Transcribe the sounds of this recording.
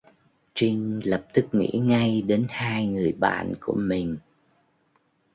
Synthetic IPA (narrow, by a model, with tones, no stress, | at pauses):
t͡ɕi˧ŋ̟lə˨˩p̚t̪ɨ˦˥k̚ŋḭ˧˥ŋa˧jɗe˨˦nhaː˧jŋɨ˨˩əjɓa̰ː˧˨nku˧˩əmï˨˩ŋ̟